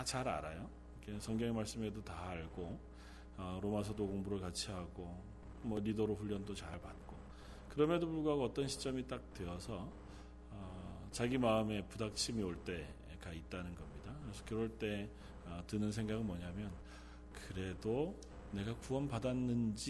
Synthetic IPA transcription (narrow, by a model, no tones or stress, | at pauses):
at͡ɕaɾa̰ɾajo | ikʰe̞sʰʌŋɡjʌŋemaɭs͈ɯme̞dotaːɭɡo | ʌɾomasʰʌdoɡoŋbuɾɯɭkat͡ɕʰiɦaɡo | mʌɾidʌɾoɸuʎːʌndot͡ɕaɭpat̚k͈o | kɯɾʌmedopuɭɡoɦaɡoʌt͈ʌnɕʰi̥t͡ɕ͈ʌmit͈ak̚twe̞ʌsʰʌ | ʌ | t͡ɕaɡimaɯme̞pudak̚t͡ɕʰimioɭt͈e̞ | kait̚t͈anɯnɡʌmɲidakɯɾesʰʌkɯɾʌɭt͈e̞ | ʌtɯnɯnsʰe̞ŋɡaɡɯnmʌɲamjʌn | kɯɾe̞do | ne̞ɡakuʌnpadanːɯnd͡ʑi